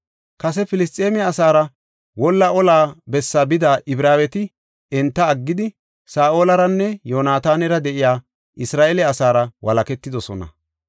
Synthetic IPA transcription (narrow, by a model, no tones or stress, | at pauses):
kɐs̬ɛfɪlɪst̪ʼːeːmɪːsaːɾɐ | wɔlːɐʔɔlaːbɛsːabɪd̪aːʔɪbɾaːwɛt̪ɪ | ɛnt̪ːɐːɡːɪd̪ɪ | saːʔoːlɐɾɐnːɛjo̞ːnaːt̪aːnɛɾɐd̪ɛʔɪjaː | ʔɪsɾaːʔɛlɛɐsaːɾɐwɐlɐkɛt̪ːɪd̪ɔsɔnɐ̰